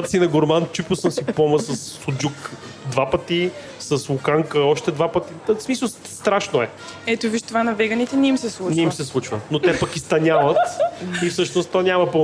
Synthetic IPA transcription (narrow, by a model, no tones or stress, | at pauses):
t̪sinɐɡoɾmant͡ʃuposəmsipɔməsɐsːod͡ʒuk | d̪vapət̪i | səslʊkaŋkəɔʃt̪ɛd̪vapət̪ismisəlˠ | st̪ɾaʃnoɛ | ɛt̪oviʃt̪ovanɐvɛɡənit̪ɛnɛimsɛslˠunɛimsɛslˠut͡ʃvənot̪ɛpɐkist̪ɐnʲavət̪ifsɤʃnost̪ɔnʲamɐpo